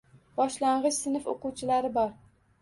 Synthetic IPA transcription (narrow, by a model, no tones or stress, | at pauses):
bɒʃlaɴʁɨʃsɪnɪfo̰qʊwt͡ʃʰɪlaɾɪbɒɾ